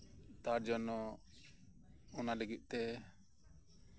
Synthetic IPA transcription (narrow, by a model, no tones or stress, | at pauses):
t̪aɾd͡ʒɔnɔ | ɔnalɛɡiʔ̪̚ˀt̪ɛ